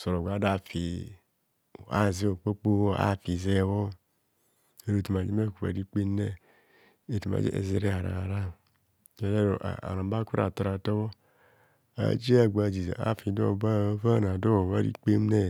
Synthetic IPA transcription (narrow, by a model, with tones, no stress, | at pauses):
so˨ɾo˨ɡʷa˨˦da˨fi˨ | a̰˦˨ze˦o˨k͡po˦k͡po˦wa̰˦˨fi˨zɛ˦˨wɔ˦ | e˨ɾo˨tu˨m˨a˨d͡ʒi˦e˦˨ku˨a̰˨di˦k͡pe˦m˦nɛ˦ | e˨tu˨ma̰˨d͡ʒḛ˦ʔḛ˨ze˨ɾe˦a˨ɾa̰˨a˨ɾa˦ | e˨ɾe˦ɾo˨ʔa̰˨a̰˨na˨˦ba˦ku˦ɾa̰˨ta˨ɾa˨tɔ˦wɔ˦ | a̰˨d͡ʒi˦a˨ɡ͡ba˨d͡ʒi˨zḛ˨a̰˦˨fi˨do̰˦˨ba˦˨˦va˦˨na˨do˦wo˨wa˦dḭ˦k͡pe˦m˦nɛ˦